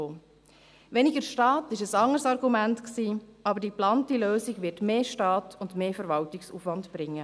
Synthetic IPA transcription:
oː | ʋɛnɪɡəɾʃtɑːtɪʃəsɑŋəɾsɑɾɡumæntksiːɑbəɾdiplɑntiløːsiɡʋɪtmeːʃtɑːtʰʊndmeːfəɾʋɑltɪksṵːfʋɑntb̥ɾɪŋːə

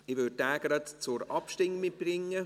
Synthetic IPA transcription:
ɪʋød̚d̥æːɡ̥ɾɑt̪t͡sʊɾɑpʃtɪŋmɪt̚b̥ɾɪŋːə

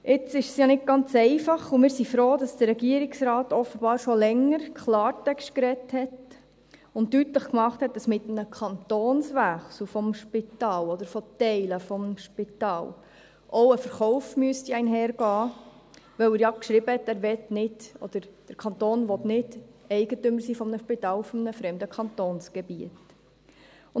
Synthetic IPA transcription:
ɪt͡sɪʃsjɑnɪd̚ɡ̥ɑnt͡sɛɪfɑχumɪːɾsifɾoːd̥ɑsd̥ərɾɛɡiəɾɪksɾɑːtɔfəbɑːɾʃɔlɛŋəɾkʰχlɑːɾtɛkʃt̚kɾɛthɛt | ʊnttytləχkmɑχthɛt̚d̥ɑsmɪtənəkʰχɑntoːnsʋæχsufɔmʃpɪt̪ɑːlɔd̥̪əɾfɔtɛɪləfɔmʃpɪtɑːl | ʔɔʊəfəɾχɔʊfmyəstiɛɪnɦɛːɾɡ̥ɑː | ʋɛʊəɾjɑkʃɾɪbəhɛtːæːɾʋɛtnɪd̥ɔ̰d̥̪əɾd̥əɾkʰɑnt̪oːnʋɔtnɪd̥ɛɪɡ̥ətʏmːəɾsiːfɔmnəʃpitɑːlfɔmnəfɾɛmd̪əkʰɑntoːnsɡ̥ɛbiət | ʊ

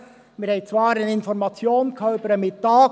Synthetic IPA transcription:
mɪɾhɛɪt͡svɑːɾanɪnfɔɾmɑt͡sjoːnkʰœʊpəɾəmɪtːɑː

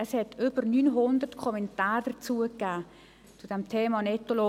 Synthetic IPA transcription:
əshɛtʰʏb̥əɾnyːnɦʊndərtkʰɔmɛntaːɾd̥ət͡suːəkːæː | t͡sud̥ɛmtʰeːmɑnɛtolo

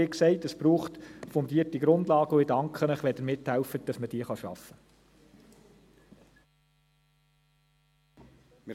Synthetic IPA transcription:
ɪksɛɪtəsb̥ɾuːχtfɔndiːətiɡɾʊndlɑːɡəʊɪdɑŋkχənəχʋɛdəɾmɪthɛlfət̚d̥ɑsməd̥iːəχɑʃɑ̰fə

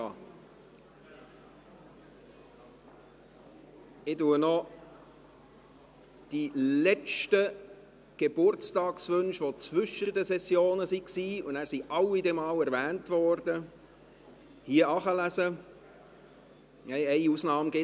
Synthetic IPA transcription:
ɪtuənɔ | d̥ilɛt͡ʃtə | ɡ̥eb̥ʊɾt͡stɑːksʋønʃʋot͡svʏʃədəsɛsjoːnəsiksiːʊndæːɾsiʔɑwidɛmɑːwɛɾvæːntʋɔːɾd̥ə | hiəɑːχɑlæzə | hɛɪɛɪusnɑːmɡɪ

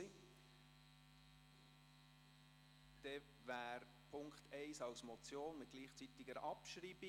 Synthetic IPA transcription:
d̪̥ɛ | væːɾ | pʰʊŋkχt̪ʰɛɪsɑwsmɔt͡sjoːnmɪt̪̚ɡ̥liːχt͡sit̪ɪɡəɾɑpʃɾiːb̥i

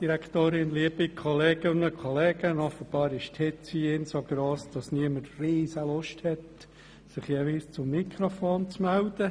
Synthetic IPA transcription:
d̥iɾɛktoːɾɪnliːbikʰɔlɛːɡ̥ənəkʰɔlɛːɡ̥ənɔfəb̥ɑːɾɪʃthɪtt͡siːɪnsoɡ̥ɾoːsd̥ɑsniəmərriːsəlʊʃthɛt | sɪχjeviːst͡sʊmːikʰɾofoːnt͡smældə

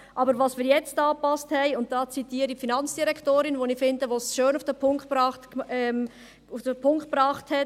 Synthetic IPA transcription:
ʔɑbəɾʋɑːsmiːɾjɛt͡stɑːpɑsthɛɪʊnt̚d̥ɑːt͡sitiːəɾifinɑnt͡sd̥iɾɛktoːɾɪnʋonifɪndəʋosʃøːnʊfd̥əpʰʊŋkbɾɑχtɛm | ufd̥əpʰʊŋkt̚b̥ɾɑːχthɛt

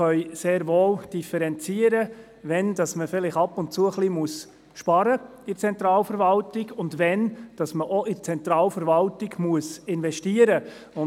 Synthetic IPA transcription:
œʏseːɾʋoːld̥ifɛɾɛnt͡siəɾə | ʋɛndɑsməfɪlɪχɑpʊnt̚t͡suəχlimuəs | ʃpɑɾə | ɪt͡sɛnt̪ɾɑːlfəɾvɑltɪɡʊndʋɛnd̥ɑsməʔɔʔɪt͡sɛnt̪ɾɑːlfəɾvɑltɪɡmuəsɪnvɛʃtiəɾə | ʊ

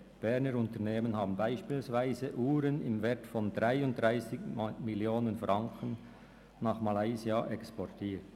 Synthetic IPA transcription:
b̥ɛʁnəɾʊntəneːmənhɑːbn̩baɪʃpiːlsvaɪzəʔuːɾənɪmvɛːɐtfɔndʁaɪʊnt̚d̥ʁaɪsɪɡmɪljoːnənfʁɑŋkʰən | nɑːχmalaɪziaʔɛkspɔtʰiːt

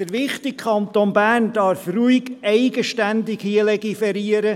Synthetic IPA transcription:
dəɾʋɪχt̪ɪk̚kʰɑnt̪onbæːrnd̥ɑɾfruɪɡɛɪɡəʃtænd̪ɪkhiəlɛɡifɛɾiəɾə

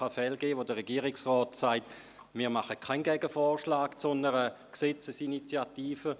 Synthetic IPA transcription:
afɛlɡeːʋodəʁeɡ̥iːʁiksʁɔːtsaɪt | miːʁmaχəkʰaɪnɡɛɡəfɔːʁʃlaːkt͡sɔnəʁəkset͡səsinit͡sjatiːfə

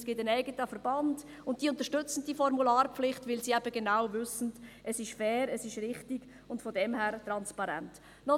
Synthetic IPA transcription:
sɡ̥ɪtənɛɪɡətəfəɾb̥ɑnd | ʊnt̚d̥iʊnt̪əʃtʏt͡sn̩d̥ifɔɾmulaːɾpflɪχtʋɪlsiːɛbəɡenaʊvʏsn̩dʔɛsɪʃfɛːɾəsɪʃɾɪχtiɡ | ʊntfɔdɛmhæːɾtɾɑnspɑɾɛ̰nt | nɔ

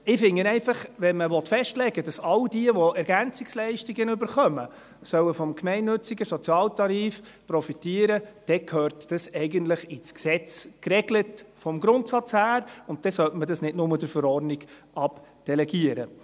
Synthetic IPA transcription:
ɪfɪŋːənɛɪfɑχʋɛnməʋɔtfɛʃtlɛɡəd̥ɑsɑldiəʋɔɛɾɡænt͡sɪkslɛɪʃtiɡənʏbəɾχœmə | sœwəfɔmkmɛɪnːɵt͡siɡəsɔt͡sjɑːltɑɾiːf | pɾɔfitiːəɾəd̥ɛkʰhøːɾtd̥ɑsɛɪɡəntləχɪt͡sksɛt͡skɾɛɡlətfɔmɡɾʊntsɑt͡shæːɾʊnt̚d̥ɛsœltmədɑsnɪdnʊməd̥əɾfəɾɔɾniɡ̥ʔɑpd̥ɛlɛɡiəɾə̰

